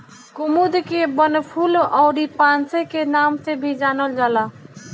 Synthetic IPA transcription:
kʊmud̪kebənpʰulɔːɾipaːnsekenaːmt̪ebʱid͡ʒaːnəld͡ʒaːla

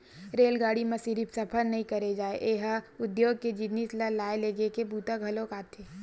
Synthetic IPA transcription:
ɾeːlɡaːɽimesiɾipsɐpʰəɾnɐɦĩkɐɾed͡ʒaːeʔeɦʊd̪joːɡ̚ked͡ʒɪd̪nislalaːeleːɡekebuːt̪aɡʱɐlõkaːt̪ʰeː

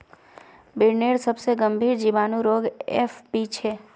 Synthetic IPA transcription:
bɪɽneːɾsəbseɡə̃mbʱiːɾd͡ʒiʋaːnũɾoːɡɛ̰fbiːt͡ʃʰɦɛː

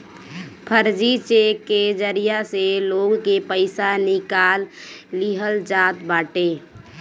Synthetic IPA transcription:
pʰəɾd͡ʒit͡ʃeked͡ʒəɾijaseloːɡkepəɪsanɪkaːlːiɦəld͡ʒaːt̪baːʈeː

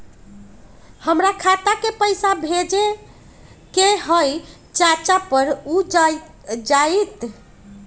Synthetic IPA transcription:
həmɾakʰat̪akepəjsabʱed͡ʒe | keɦəj | t͡ʃat͡ʃapəɾu | d͡ʒajt̪

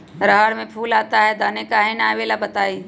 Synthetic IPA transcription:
ɾəɦəɽmẽpʰuːlaːt̪aɦɛd̪anekaɦenaːʋeːlabɐt̪aːiː

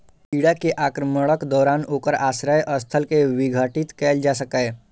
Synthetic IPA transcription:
iɽakeʔaːkɾəməɭəkd̪ɔːɾaːnoːkəɾaːsɾəjʔəst̪ʰəlkeʋɪɡʱəʈɪt̪kɛːld͡ʒaːs̬əkɛː

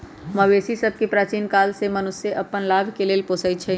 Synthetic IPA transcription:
məweːsisəb̚ʱkepɾaːt͡ʃiːnkaːlsemɐnʊsjeʔɐpːənlaːbʱkeleːlpoːsəit͡ʃʰɛ

